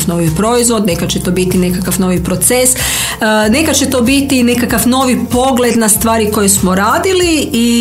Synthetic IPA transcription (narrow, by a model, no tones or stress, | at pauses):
fno̞ʋipɾo̞izʋo̞d̪nekat͡ɕet̪o̞ːbit̪ine̞kakafno̞ʋipɾo̞t̪ses | ne̞kat͡ʃe̞t̪o̞ːbit̪ine̞kakafno̞ʋipo̞ɡle̞d̪nast̪ʋaːɾiko̞jesmoɾaːd̪ilii